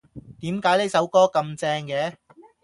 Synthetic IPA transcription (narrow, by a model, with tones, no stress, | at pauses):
t̪iː˨˥mkaː˨˥jle˨˧jsɐ˨˥wkɔː˥kɐ˧mt͡sɛː˧ŋkɛː˨˧